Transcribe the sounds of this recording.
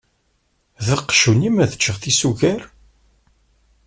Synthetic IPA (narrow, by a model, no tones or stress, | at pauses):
ðəqːʃunimæðə̥t͡ʃːəʁθisuʝæɾ